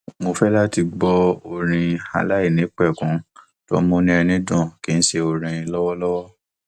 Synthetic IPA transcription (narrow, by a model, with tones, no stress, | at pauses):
mo˧fɛ˦la˦ti˧ɡ͡bɔ˧o˧ɾ̃ĩ˧a̰˧la˦i˦˨nĩ˨˦k͡pɛ˦˨kũ˨˦ | to̰˦mõ˧˦nĩ˦ɛ˧nĩ˦dɔ̃˦˨ki˨˦n̩˦ʃe˧o˧ɾ̃ĩ˧lɔ˦wɔ˦lɔ˦wɔ˦